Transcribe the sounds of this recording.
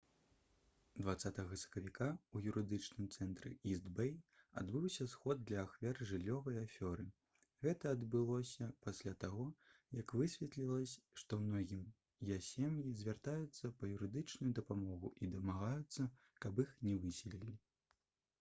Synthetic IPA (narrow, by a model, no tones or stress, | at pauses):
d̪vat̪sːat̪ɐɣɐsɐ̥kɐvʲikʰaujuɾɨd̪ɨt͡ʂnɨmt̪sɛnt̪ɾɨ̰izd̪bɛja̰d̪bɨwsʲɐsxɔd̪̚d̪lʲɐːxvʲɛrʐɨlʲːɔvɐjafʲɔɾɨ | ɣɛt̪ɐːd̪bɨlˠɔsʲɐpasʲlʲat̪aɣɔjɐkvɨsʲvʲɛt̪lʲilˠɐsʲʂt̪ɔwnɔɣʲim | jasʲemjizʲvʲart̪ajut̪sːɐpɐjuɾɨd̪ɨt͡ʂnujud̪ɐpamɔɣuʔid̪ɐmaɣajut̪sːɐ | kɐbixnʲɛvɨsʲilʲilʲi